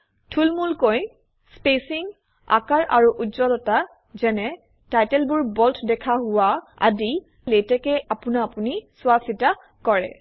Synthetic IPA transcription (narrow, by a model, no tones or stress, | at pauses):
tʰulmulkoj | spesiŋ | a̰kaɹʔa̰ɹuʔuzɔdɔta | zɛnɛ | tajtɛlbʊɹbɔltʰdɛkʰaɦʊwa | a̰di | lejtɛkɛapʊnaːpunisʊasita | kɔɹɛ